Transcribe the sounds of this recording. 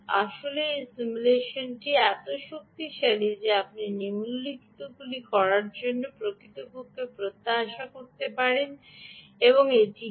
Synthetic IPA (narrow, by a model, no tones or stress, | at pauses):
a̰ʃoleesimuleʃonʈiɛt̪oʃok̚t̪iʃaɽid͡ʑeapninimulːikt̪oɡulikɔɾaɾd͡ʑonːopɾokɾit̪obukːepɾot̪ːaɦaʃakoɾt̪epaɾen | eβoŋeʈi